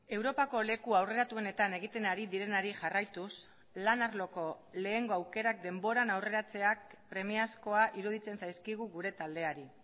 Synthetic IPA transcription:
e̞wɾo̞pako̞le̞kuawre̞ɾat̪ue̞ne̞t̪ane̞ɣit̪e̞naɾiðiɾe̞naɾiʝarajt̪us | lanaɾlo̞ko̞le̞ːŋɡo̞awke̞ɾak̚d̪e̞mbo̞ɾanawre̞ɾat͡se̞akpɾe̞miasko̞aʔiɾuð̞it͡se̞nsajskiɣ̞uɣuɾe̞t̪ald̪e̞aɾi

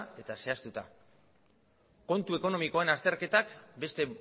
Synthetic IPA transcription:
e̞t̪ase̞ast̪ut̪a | ko̞nt̪ueko̞no̞miko̞e̞nast̪e̞ɾke̞t̪akbe̞st̪e̞

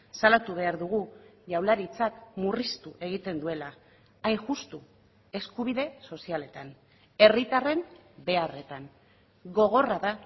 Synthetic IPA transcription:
salat̪uβ̞e̞aɾðuɣ̞uʝawlaɾit͡sakmurist̪uʔe̞ɣ̞it̪e̞nd̪ue̞laː | jŋʝust̪u | e̞skuβ̞iðe̞so̞siale̞t̪an | e̞rit̪are̞nbe̞are̞t̪an | ɣo̞ɣ̞o̞raða

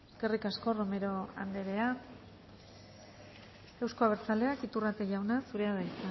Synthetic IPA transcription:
ske̞rikasko̞ro̞me̞ɾo̞a̰nd̪e̞ɾe̞a | e̞wsko̞aβ̞e̞ɾt͡sale̞akit̪urat̪eʝawnasuɾe̞aðajt̪a

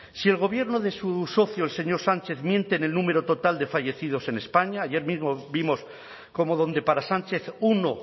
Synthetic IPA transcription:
sie̞lɣ̞o̞βje̞ɾnoðe̞suso̞θjoelse̞ɲo̞ɾsant͡ʃe̞θmjẽ̞nt̪e̞ːne̞lnume̞ɾo̞t̪o̞t̪ald̪e̞faʝe̞θið̞o̞se̞ne̞spaɲaːje̞ɾmizmobimo̞s | ko̞mo̞ð̞o̞nd̪e̞paɾasant͡ʃe̞θuno

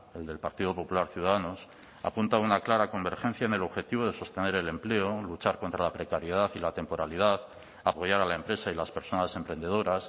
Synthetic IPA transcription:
e̞ld̪e̞lpaɾt̪iðo̞po̞pulaɾθjuðaðano̞s | a̰punt̪aunaklaɾako̞mbe̞ɾxẽ̞n̟θjaene̞lo̞βxe̞t̪iβ̞o̞ðe̞so̞st̪e̞ne̞ɾe̞le̞mple̞olut͡ʃaɾko̞nt̪ɾalapɾekaɾjeð̞aθilat̪e̞mpo̞ɾalið̞aθ | apo̞ʝaɾalae̞mpɾe̞sailaspe̞ɾso̞nase̞mpɾe̞nd̪e̞ð̞o̞ɾas

